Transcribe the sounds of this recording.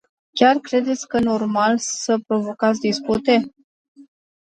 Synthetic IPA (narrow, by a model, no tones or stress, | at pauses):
kʲarkɾe̞d̪e̞t̪sʲkəno̞rmalsəpɾo̞vo̞kat̪sʲd̪isput̪e̞